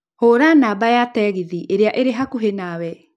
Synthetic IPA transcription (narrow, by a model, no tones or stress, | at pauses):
hoːɾanaːbajatɛːɣiðiʔeɾeaʔeɾeɦakuɦenawɛ